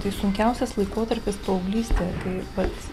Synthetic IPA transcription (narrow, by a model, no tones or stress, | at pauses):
t̪ɐɪsʊŋʲkʲɛʊsʲɛslˠɐɪkoːt̪ɐɾʲpʲɪspoɐʊɡlʲiːsʲt̪ʲekɐɪʋɐt̪